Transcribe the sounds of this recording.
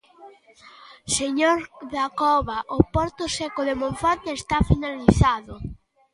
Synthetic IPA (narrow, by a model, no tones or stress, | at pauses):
seɲoɾðakɔβaʔopɔɾt̪ʊsekoðemõɱfɔnt̪eest̪afinaliθaðʊ